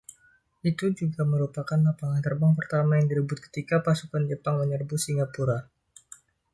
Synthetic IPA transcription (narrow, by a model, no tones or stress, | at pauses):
ʔit̪ud͡ʒuɡaməɾupakanlapaŋant̪ərbaŋpərt̪amajaŋdiɾəbʊt̪̚kə̥t̪ikapasukand͡ʒəpaŋməɲərbʊsiŋɡapuɾa